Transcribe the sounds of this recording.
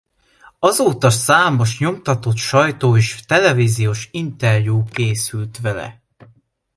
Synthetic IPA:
ɒzoːt̪ɒsaːmo̞ʃɲo̞mt̪ɒt̪o̞t̪ʃɒjt̪oːeːʃt̪ɛlɛviːzijoːʃint̪ɛrjuːkeːsylt̪ʋɛlɛ̰

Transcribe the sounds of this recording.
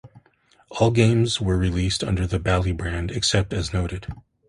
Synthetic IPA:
ɔlˠɡẽɪ̃mzwə˞ɹilistʌ̰̃ndə˞ðɨbælˠibɹæ̃ndɨksɛp̚tɨznoʊɾɨd̥

